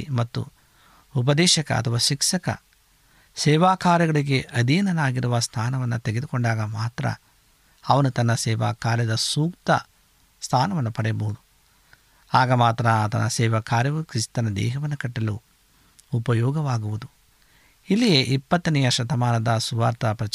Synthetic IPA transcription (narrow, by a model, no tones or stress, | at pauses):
mɐt̪ːṵ | up̬ɐd̪ɛːʃɐkɐ̰ɐt̪ʰɐʋaːʃikʂɐkɐ̰ | sɛːʋaːkaːɾjɐɡɐɭiɡe̞ʔɐd̪ijɐnɐnaːɡiɾuʋɐst̪ʰaːnɐʋɐnːɐt̪eɡe̞d̪ukoɳɖaːɡɐmaːt̪ɾɐ̰ | ɐʋɐnut̪ɐnːɐsɛːʋa̰ːkaːɾjɐd̪ɐsuːkt̪ɐ̰ | st̪ʰaːnɐʋɐnːɐpɐɽɛjɐbɐɦud̪u | aːɡɐmaːt̪ɾɐɐt̪ɐnɐsɛːʋɐkʰaːɾjɐʋukɾist̪ɐnɐd̪ɛ̰ːɦɐʋɐnːɐkɐʈːɐluː | pɐjɔːɡɐʋaːɡuʋud̪u | ilːijeːʔipːɐt̪ːɐnɛjɐʃɐt̪ɐmaːnɐd̪ɐsuʋa̰ːɾt̪ɐpɾɐt͡ʃ